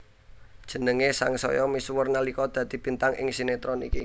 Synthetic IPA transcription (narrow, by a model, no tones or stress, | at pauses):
d̥ʒ̥ə̤nəŋesaŋsɔ̰jɔmiswʊrnalikɔd̪̥ä̤d̪̥i̤pint̪aŋɪ̰ŋsinet̪ɾɔnḭki